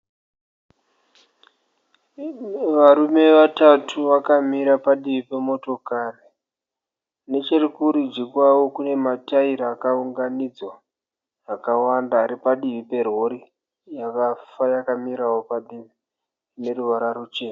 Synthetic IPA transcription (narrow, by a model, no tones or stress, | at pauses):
ʋaɾume̞ʋatatʰuʋakamiɾapaɗiʋipe̞mo̞to̞kari | ne̞t͡ʃerikuɾid͡ʒikwawo̞kune̞mataiɾaːkauŋɡanid͡zwa | ɦakawandaːɾipaɗiʋipe̞ro̞ɾi | jaʋafajakamiɾawo̞paɗimi | ne̞ɾuʋaɾarut͡ʃeːna